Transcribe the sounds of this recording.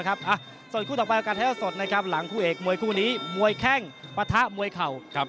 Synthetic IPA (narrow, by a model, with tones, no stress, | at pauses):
kʰa˦˥p̚ʔa˧˩ | so˨˩nkʰuː˥˩t̪ɔː˨˩pʔa˧kaː˧t̪ʰɛː˦˥˩so˨˩t̪̚na˦˥kʰa˦˥p̚la˩˦ŋpʰuː˥˩ʔeː˨˩k̚mu˧əjkʰuː˥˩niː˦˥mu˧əjkʰɛ˥˩ŋpa˧t̪ʰa˦˥ʔmu˧əjkʰa˨˩wʰa˦˥